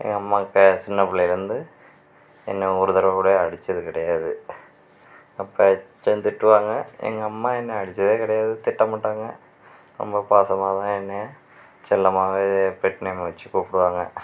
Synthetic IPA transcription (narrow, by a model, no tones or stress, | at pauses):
ḛŋːɐɐmːɐkːesinːɐpːuɭɐiɾund̪ɨ | ḛnːeuːɾuðɐɾɐɣuːɽeɐɽit͡ɕːɐðɨkɪɽɐjaːðɨ | ɐpːɐt͡ɕend̪iʈːuʋaːŋːɐḛŋːɐɐmːɐenːeɐɽit͡ɕːɐðeːkiɽɐjaːðɨt̪iʈːɐmːɐʈːɐɐŋːɐ | ɾo̰mbɐpaːsɐmaːðaːenːe | t͡ɕelːɐmaːʋepeʈːinemɐʋt͡ɕːɨkoːpːiɽuʋaːŋːɐ